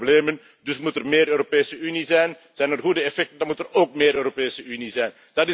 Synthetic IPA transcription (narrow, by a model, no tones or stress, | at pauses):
bleːmən | dʏsmutərmeːɾøːɾopeːsəynizɛjn | z̥ɛjnərɣudəɛfɛk̚təndɑnmutəroːk̚meːɾøːɾopeːsəʔynizɛjn | d̥ɑtɪ